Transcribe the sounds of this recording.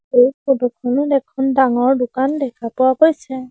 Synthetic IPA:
ekonukʰɔndɛkʰɔndaŋɔɹdʊkandɛkʰapʊwakojsɛ

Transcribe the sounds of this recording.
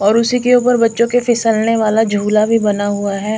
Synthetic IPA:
ɔːɾʊsikeuːpəɾbɐtːʃõkefɪsəlneʋaːlad͡ʒʱuːlabʱibɐnaɦuaɦɛː

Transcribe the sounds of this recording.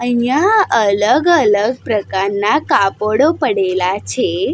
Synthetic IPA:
əɦjaələɡələɡ̚pɾəkaɾnakapoɽopəɽelat͡ʃʰe

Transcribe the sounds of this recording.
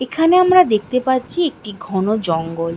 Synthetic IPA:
ekʰaneamɾad̪ek̚ʰt̪epatːt͡ɕʰiek̚ʈiɡʱɔnod͡ʑɔŋɡol

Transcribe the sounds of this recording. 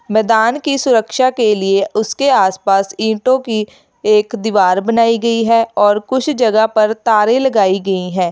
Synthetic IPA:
mɛːd̪aːnkisʊɾəkʃakelieʊskeaːspaːsĩːʈõki | eːkd̪ɪʋaːɾbɐnaːiɡɐiɦɛɔːɾkʊt͡ʃʰd͡ʒɐɡapɐɾt̪aːɾẽlɐɡaːiɡɐiɦɛ̃ː

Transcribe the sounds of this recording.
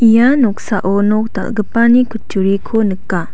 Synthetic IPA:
ʔijanɔk̚saʔɔnɔk̚t̪a̰lɡəpanikʰut͡ʃuɾikʰonɯkːa

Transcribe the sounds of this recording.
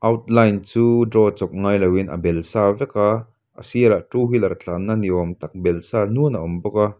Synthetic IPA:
ʔɐwt̪̚lajnt͡suːdrɔt͡sɔk̚ŋaːjlɐwinʔɐ̰bɛlsaːvɛka | ʔɐ̰siəɾaʔʈuːɦilɐɾt͡ɬʰaːnːaniɔmt̪ɐk̚bɛlsaːnuənɐʔɔmbɔka

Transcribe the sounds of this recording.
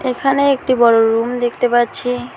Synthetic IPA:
ekʰaneek̚ʈibɔɽoɾumd̪ekʰt̪epaɾt͡ɕʰi

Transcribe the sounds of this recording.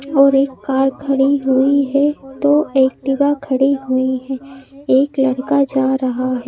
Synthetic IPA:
ɔːɾeːkːaːɾkʰɐɽiɦʊiɦɛt̪oeːk̚d̪ɪbakʰɐɽiɦʊiɦɛːeːklɐɽkad͡ʒaːɾɐɦaɦɛː

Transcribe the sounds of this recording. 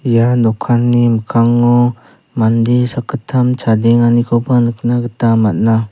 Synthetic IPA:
ijadɔkʰːanːiməkʰaŋːɔ | mandisakʰətʰːamt͡ʃʰadɛŋanikʰɔbanɯk̚naɡətamat̚na

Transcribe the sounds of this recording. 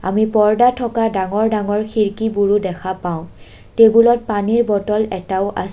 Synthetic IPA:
a̰mipɔɹdatʰɔkadaŋɔɹdaŋɔɹxʰiɹkibuɹudɛxʰapaʊ̃ | tebulɔt̚paniɹbɔtɔlɛtaʊʔa̰s

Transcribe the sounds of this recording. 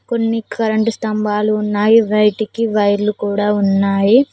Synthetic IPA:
ko̞nːikʰɐɾɐɳʈust̪ɐmbaːluːnːaːjiʋɐjʈikiʋɐjɾlukuːɽaːunːaːji

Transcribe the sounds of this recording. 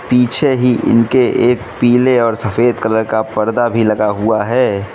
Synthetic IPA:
piːt͡ʃʰeɦiʔɪ̰nkeʔeːk̚piːleɔːɾsɐfeːd̪kɐləɾkapɐɾd̪abʱilɐɡaɦuaɦɛː

